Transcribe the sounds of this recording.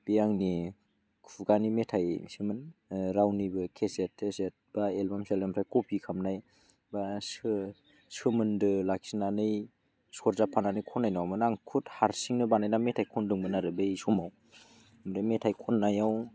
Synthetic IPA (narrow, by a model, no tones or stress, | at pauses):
b̥ijaŋni | kʰuɡanimetʰajsɯmɯnɾawnibɯkʰesetʰːeset̚b̥aelbamselemɾʰajkɔpʰikʰamnaj | basɯ | sɯmɯndɯlaksinanɯj | sɔɾzapʰananɯjkʰɔnːajnawmɯnaŋkʰuthaɾsiŋnɯbanajnametʰajkʰɔndɯŋbɯnaɾɯbejsɔmaw | mɾemetʰajkʰɔnːajaw